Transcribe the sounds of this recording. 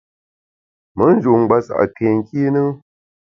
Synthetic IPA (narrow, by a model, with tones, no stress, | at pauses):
mə˨˦n̩˦d͡ʒu˨ŋ͡m̩˨ɡ͡ba˨sa̰˨ʔke˨ŋ̩˨ki˦nɨ˦